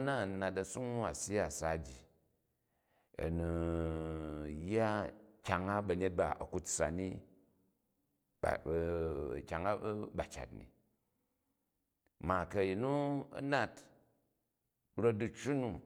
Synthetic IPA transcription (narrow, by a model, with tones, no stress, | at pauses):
na˦˨na˨tɐ˧su˦ŋ˦wa˨si˦ja˦˨sa˨˦d͡ʒi˨ | ɐ̰˨nu˨ | jːa˦kʲa˨ŋa˦bɐ˨˧ɲe˦t̚ba̰˨ɐ˨ku˨˦tsa̰˨ni˦ | b̰kʲa˨ŋa˦ba˨t͡ʃa̰˨tnḭ˨ | ma˨kɐ˨ji˨nu˦ɐ̰˦na˦t | ɾo˦t̚du˧t͡ʃu˦nu˨